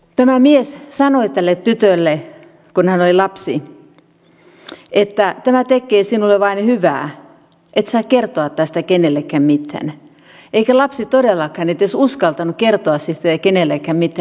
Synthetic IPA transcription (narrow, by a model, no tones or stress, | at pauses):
t̪æmæmiessɑnoit̪ælːet̪t̪yt̪ølːe | kunhænolʲilɑpsi | ʔet̪ːæt̪æmæt̪ekːˑeːsinulːeʋɑinhyʋæ̰ː | ʔet̪sɑːkkert̪oɑt̪t̪æst̪ækenelːekːæmmit̪ːæ̰n | ʔeikælɑpsit̪odelːɑkɑnet̪ːesuskɑlt̪ɑnukkert̪oɑssit̪kenelːekːæmmit̪ːæ